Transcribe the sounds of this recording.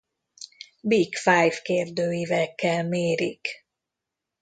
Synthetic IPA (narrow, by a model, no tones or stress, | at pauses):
bikfajvkeːrd̪øːjivɛkːɛlmeːɾik